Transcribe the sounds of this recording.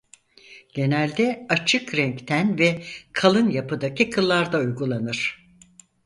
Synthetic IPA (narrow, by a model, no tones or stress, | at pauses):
ɟ̥e̞nælʲd̪ɛat͡ʃʰɯkɾɛɲct̪ʰænvɛkʰalˠɯnjapɯd̪acʰikʰɯlˠːaɾd̪aujɡulˠanɯɾ̝̥